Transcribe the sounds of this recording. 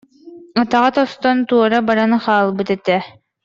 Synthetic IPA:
at̪aʁat̪ɔst̪ɔnt̪uɔɾabaɾanɯχaːlˠbɯt̪ɛt̪ɛ

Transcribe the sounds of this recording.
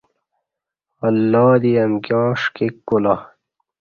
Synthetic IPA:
ɐlːaːd̪iɐmkjɑ̃ːʂkikːula

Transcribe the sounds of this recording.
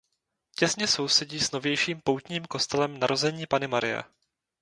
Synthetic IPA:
cɛsɲɛso̞wsɛɟiːsno̞vjɛjʃiːmpowt̪ɲiːmko̞st̪ɛlɛmnaɾo̞zɛɲiːpanɪmaɾɪ̰jɛ̰

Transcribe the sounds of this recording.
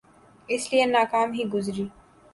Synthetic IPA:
ɪslienaːkaːmɦiɡʊzɾiː

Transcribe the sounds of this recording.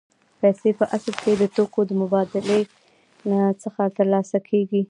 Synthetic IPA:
pɛsepəʔasəɾked̪ət̪okod̪əmʊbɑd̪ɪle | nat͡səxat̪əɾlɑsakʰeɡi

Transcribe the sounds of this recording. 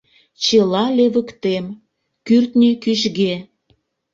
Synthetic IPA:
t͡ɕelɑleβəkt̪em | kyrt̪nʲikyʃɣe

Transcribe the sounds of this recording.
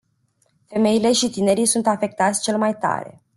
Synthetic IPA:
fe̞me̞ile̞ʃit̪ine̞ɾijsunt̪afe̞k̚t̪at̪sʲt͡ʃe̞lmajt̪a̰ɾe̞̰

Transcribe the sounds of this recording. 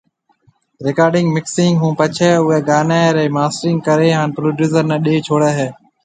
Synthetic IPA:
ɾɪkaːɾɖɪŋɡmɪksɪŋɡɦũːpət͡ʃʰɛːʊɛːɡaːnaːɾɛːmaːsʈɾɪ̃ŋɡ̚kəɾeːɦaːnpɾoːɖjuːsəɾnɛ̃ːɗeːt͡ʃʰoːɽɛːɦɛː

